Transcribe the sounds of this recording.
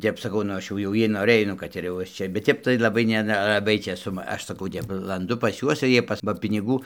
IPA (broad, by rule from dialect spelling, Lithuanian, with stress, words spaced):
ˈtʲɛp sɐˈkɐʊ nʊ ˈɐʃ jɛʊ ˈjiɛ noːˈrɘj ˈnʊ kɐt ɪr jɛʊ ˈɐʃ ˈt͡ʃʲɛ bʲɛt ˈtʲɛp tɐɪ lˠɐˈbɐɪ ˈnʲɛ nʲɛlˠɐˈbɐɪ t͡ʃʲeːˈsʊ ˈɐʃ sɐˈkɐʊ ˈɐʃ sɐˈkɐʊ ˈtʲɛp lˠɐnˈdʊ pɐs ˈjuɔs ɪr ˈjiɛ pɐs bɐ pʲɪnʲɪˈɡuː